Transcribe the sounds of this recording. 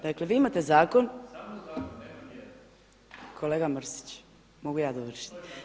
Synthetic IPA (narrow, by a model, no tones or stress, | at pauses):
d̪akleʋiːimat̪e̞zaːko̞n | kʰo̞leːɡamr̩si̥t͡ɕ | moɡujaːd̪oʋr̩ʃi̥t̪